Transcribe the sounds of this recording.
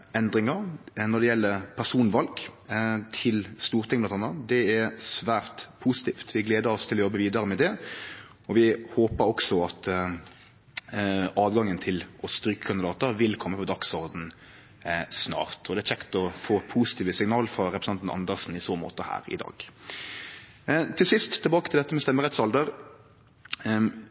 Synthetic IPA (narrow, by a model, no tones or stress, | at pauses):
ɛnd̪ɾɪŋɑɾnɔʁd̪ɛjɛlːəɾpʰæʁʂuːnʋɑlɡt̪ʰɪlst̪uːʁt̪ʰɪŋblɑnɑnəd̪ɛɛɾsʋæːʁt̪pʰusɪ̥t̪ʰiːft̪ʰʋɪɡleːd̪əɾɔst̪ʰɪlɔjɔbːəʋiːd̪ɑɾəmɛd̪ɛ | ɔʋɪhoːpəɾɔksɔɑt̪ | ɑːdɡɑŋːənt̪ʰɪlʔɔst̪ɾyːkə̥kʰɑnd̪ɪd̪ɑːt̪əɾʋɪlkʰɔmːəpɔd̪ɑksɔɾd̪n̩ | snɑ̰ːʁt̪ʰɔd̪ɛæɾt͡ʃʰɛkt̪ɔfoːpʰusɪ̥t̪iːʋəsɪŋnɑːləfʁɑɾɛpɾəsɑnt̪n̩ɑ̰nd̪əɾsn̩ɪsoːmo̰ːt̪əhæ̰ːɾɪ̰d̪ɑ̰ːɡ̥ | t̪ʰɪlsɪst̪ʰːɪlbɑːkət̪ʰɪld̪ɛt̪ːəmɛst̪ɛmːəɾɛt̪sɑld̪əɾ